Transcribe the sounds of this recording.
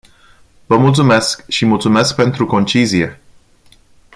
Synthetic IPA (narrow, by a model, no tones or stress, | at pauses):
vəmult̪sume̞skʃimult̪sume̞sk̚pe̞nt̪ɾuko̞nt͡ʃizie̞